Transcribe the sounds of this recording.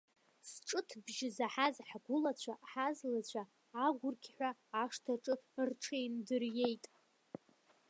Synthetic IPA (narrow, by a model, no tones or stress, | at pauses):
sʈ͡ʂʼɨtʰbʒɪzaħazħɡʷʊlat͡ɕʷʰaħazlat͡ɕʷʰaː | ɡʷʊrkʲʰħʷaːʂtʰaʈ͡ʂʼɨrʈ͡ʂʰejndɨrje̞jtʼ